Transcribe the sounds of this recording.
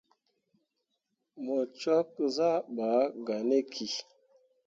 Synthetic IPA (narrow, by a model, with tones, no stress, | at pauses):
mɔ˨t͡ʃa˦k̚za˦˨ɓa˨˦ɡa˨ne˦kʰi˨